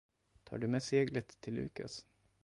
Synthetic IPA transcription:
t̪ʰɑ̰ːɖɵmɛseːɡlət̪ʰːɪlːʉ̟̰ːka̰s

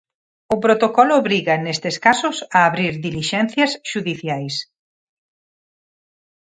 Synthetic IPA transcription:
ʊpɾot̪okɔlʊβɾiɣɐnest̪ɪskasʊsaːβɾiɾðiliʃɛn̟θjɐsʃuðiθjajs

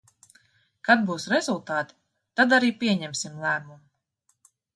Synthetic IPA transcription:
kad̪̚buːsɾɛzulˠt̪aːt̪i̥ | t̪ad̪aɾiːpʲiɛɲɛmsimlˠæːmum

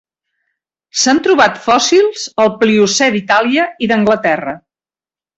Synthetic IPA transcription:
sant̪ɾuβat̪fɔsilˠz̥əlˠpliusɛðit̪aliəiðəŋɡlət̪ɛrə

